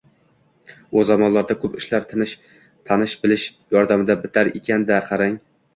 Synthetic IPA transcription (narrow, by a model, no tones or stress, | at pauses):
ozamɒnlaɾd̪akʰɵpɪʃlaɾt̪ʰɪnɪʃ | t̪ʰanɪʃbɪlɪʃ | jɒɾd̪amɪd̪abɪt̪ʰaɾekʲʰand̪aqʰɑɾaŋ